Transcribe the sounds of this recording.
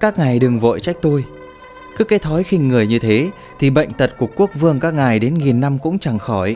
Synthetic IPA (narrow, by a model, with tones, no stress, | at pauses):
kaː˦˥k̚ŋa˨˩jɗɨ˨˩ŋvo̰˧˨jt͡ɕa˦˥k̚t̪o˧j | kɨ˨˦˥kːa˨˦jt̪ʰɔ˨˦jxï˧ŋ̟ŋɨ˨˩əjɲɨ˧t̪ʰe˨˦ | t̪ʰi˨˩ɓə̰˧˨jŋ̟t̪ə˨˩t̚ku˨˩əkːu˦˥ək̚vɨ˧əŋkaː˦˥k̚ŋa˨˩jɗe˨˦nŋi˨˩nːa˧mkʊ̰˧˥ŋ͡mt͡ɕa˨˩ŋxɔ˧˩j